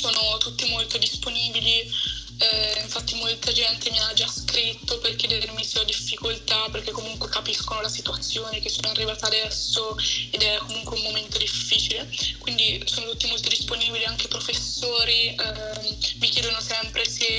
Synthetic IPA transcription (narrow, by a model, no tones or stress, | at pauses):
soːnot̪ut̪ːimolt̪od̪isponiːbili | ɛiɱfat̪ːimolt̪ad͡ʒɛnt̪ʰemianːad͡ʒaskɾit̪ːoperkjɛd̪eɾermisolad̪ifːikolt̪aperk̟ekːomuŋkwekapiskonolasit̪uat̪sːjoːnek̟esːoːnoarːivaːt̪ad̪ɛsːoed̪ɛkːomuŋkweummoment̪od̪ifːiːt͡ʃilekwind̪isoːnot̪ut̪ːimolt̪od̪isponiːbiliaŋk̟epɾofesːoːɾi | mik̟jɛːd̪onosɛmpɾese